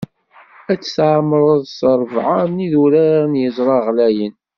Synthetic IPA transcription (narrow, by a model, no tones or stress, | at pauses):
æt͡sːsʕmɾˤəðˤsəɾˤvʕaɾniðuɾæɾnjəzˤɾˤɑʁlæjən